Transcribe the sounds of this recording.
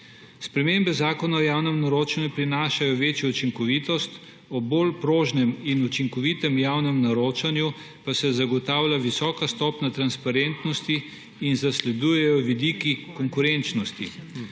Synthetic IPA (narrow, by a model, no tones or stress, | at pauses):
spɾɛmembɛzaːkɔnaɔjaːwnɛmnaɾoːt͡ʃanjupɾinaːʃajɔʋeːt͡ʃjɔut͡ʃiŋkɔʋit̪ɔst̪ | ɔbolpɾoːʒnɛminut͡ʃiŋkɔʋit̪ɛmjaːwnɛmnaɾoːt͡ʃanju | pasɛzaɡɔt̪aːwlʲjaʋisɔːkast̪ɔːpnat̪ɾanspaɾent̪nɔst̪iː | nzaslɛd̪uːjɛjɔʋid̪iːkikɔŋkuɾent͡ʃnɔst̪ḭ